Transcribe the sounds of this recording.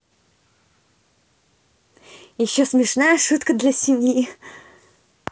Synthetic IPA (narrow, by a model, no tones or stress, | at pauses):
jɪɕːosmʲɪʂnajəʂut̪kəd̪lʲɐsʲɪmʲji